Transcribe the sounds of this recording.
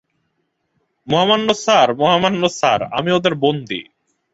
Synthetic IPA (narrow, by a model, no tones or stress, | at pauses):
moɦamannosaɾmoɦamːannosa̰ɾa̰miod̪eɾbond̪ḭ